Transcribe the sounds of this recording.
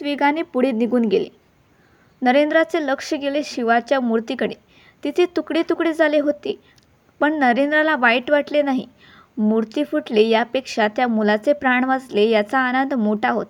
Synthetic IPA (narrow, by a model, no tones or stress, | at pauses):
ʋiɡanepuɽiːt̪niɡuːnɡelḛ | nəɾend̪ɾat͡seləkʂəɡeleɕiʋat͡ɕjamuɾt̪ikəɽe | t̪it̪ʰet̪ukɽit̪ukɽiːd͡zʱaleɦot̪e | pəɳnəɾend̪ɾalaʋajiʈʋaʈlenaɦḭ | muɾt̪ifuʈlejapekʂat̪jamulat͡sepɾaɳʋad͡zlejat͡saːnənd̪ʱmoʈʰaɦo̰t̪